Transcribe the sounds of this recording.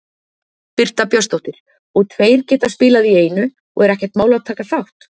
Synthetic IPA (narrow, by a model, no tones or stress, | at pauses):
pɪr̥t̪apjœst̪owht̪ɪɾ̥ | ɔɣt̪ʰveːjɾcɛːt̪aspɪːlaðieːjnʏ | ɔ̰ɣɛɾɛhcɛ̥ɾt̪maːwlawt̪ʰaːkaθawht̪